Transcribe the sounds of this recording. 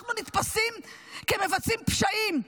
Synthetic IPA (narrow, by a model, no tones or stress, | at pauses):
nunit̪pasim | keme̞vat͡simpʃaim